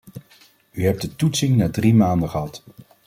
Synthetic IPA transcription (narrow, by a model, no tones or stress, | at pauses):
yɦɛp̚dətutsɪŋnaːdrimaːndəχəɦɑt